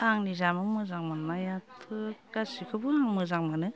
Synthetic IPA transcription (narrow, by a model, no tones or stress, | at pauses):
aŋnizamɯmɯzaŋmanːajatʰɯɡ̥asikʰɯbɯaŋmɯzaŋmanɯ